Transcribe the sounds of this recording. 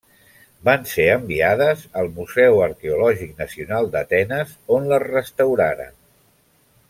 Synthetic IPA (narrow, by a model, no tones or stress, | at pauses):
banseəmbiað̞əzəlˠmuzɛwəɾkeulɔʒik̚nəsiunalˠd̪ət̪ɛnəzonləzrəst̪əwɾaɾə̰n